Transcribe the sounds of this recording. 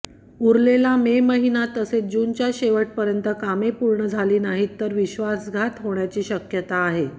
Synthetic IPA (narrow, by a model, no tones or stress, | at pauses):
uɾlelameməɦinat̪əset͡s̚d͡ʑunt͡ɕjaɕeʋəʈ̚pəɾjənt̪əkamepuɾɳəd͡zʱaliːnaɦit̪ːəɾʋiɕʋasɡʱat̪ɦoɳjat͡ɕiːɕəkjət̪aːɦe